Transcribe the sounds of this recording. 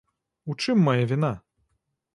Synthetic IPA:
ut͡ʂɨmːajavʲina

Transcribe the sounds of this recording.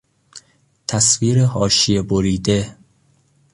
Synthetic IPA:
t̪ʰæsviːɾehɒːʃijeboɾiːd̪e

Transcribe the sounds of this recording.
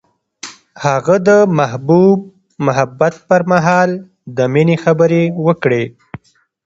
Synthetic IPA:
haɣəd̪əmahbub̚ | mʊɦabat̪̚pəɾmaɦɑl | d̪əminexabəɾewəkɽe

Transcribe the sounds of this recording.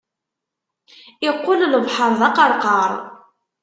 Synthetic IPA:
ɪqːʊlləvħɑɾˤðˤɑqɑɾˤqɑɾˤ

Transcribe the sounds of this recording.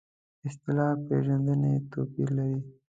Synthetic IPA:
ɪst̪ɪlɑpḛʒand̪ənet̪opiɾlaɾi

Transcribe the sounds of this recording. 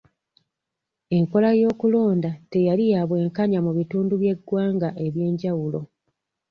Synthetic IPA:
e̞ŋko̞lajo̞ːkulo̞ːndate̞jalijaːβwe̞ːŋkaɲamuβituːnduβje̞ɡːwaːŋɡaʔe̞βje̞ːɲɟawulo̞̰

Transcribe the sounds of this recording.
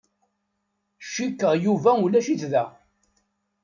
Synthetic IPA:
ʃːikːəʁjuvæulæʃiθðæ

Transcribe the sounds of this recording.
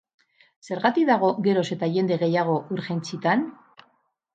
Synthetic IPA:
se̞ɾɣat̪iðaɣ̞o̞ɣe̞ɾo̞se̞t̪aʝe̞nd̪e̞ɣe̞jaɣ̞oʔuɾxent͡sit̪an

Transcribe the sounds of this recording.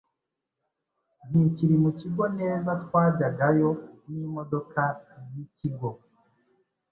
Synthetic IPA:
n̥iciɾimuciɡo̞ne̞ːzat̪waːɟaɡajo̞nimo̞do̞kajiciɡo̞

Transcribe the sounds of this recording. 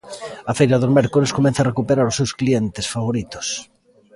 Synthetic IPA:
ɐfejɾaðozmɛɾkoleskomẽn̟θarekupeɾaɾosːewsklient̪esfaβ̞oɾit̪o̥s

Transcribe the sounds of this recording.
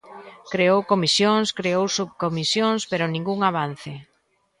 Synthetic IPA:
kɾeowkomisjoŋskɾeowsuβkomisjoŋspeɾʊnĩŋɡuŋaβ̞anθɪ

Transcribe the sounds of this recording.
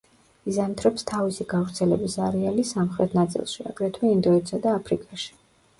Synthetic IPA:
izant̪ʰɾɛpst̪ʰavisiɡavɾt̪sʰɛlɛbisaɾialisamχɾɛt̪ʰnat̪sʼḭlˠʃia̰ɡɾɛt̪ʰwɛind̪ɔit̪sad̪aːpʰɾikʼaʃi̥

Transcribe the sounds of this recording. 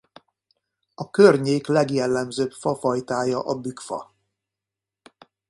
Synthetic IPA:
ɒkørɲeːklɛɡjɛlːɛmzøːpfɒfɒjt̪aːjɒʔɒbykfɒ̰

